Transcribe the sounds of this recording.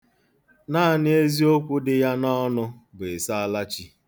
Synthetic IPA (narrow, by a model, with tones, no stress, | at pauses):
naː˦˨nɪ˦e˦zi˦o˦kʷʊ˦dɪ˦ja˦nɔ˦nʊ˦ɡ͡be˨sa˦a˦la˦t͡ʃi˦